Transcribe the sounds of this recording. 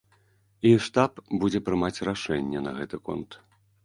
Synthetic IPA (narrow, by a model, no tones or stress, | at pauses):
iʂt̪apbud͡zʲɛpɾɨmat͡sʲraʂɛnʲːɛnɐɣɛt̪ɨkɔ̰nt̪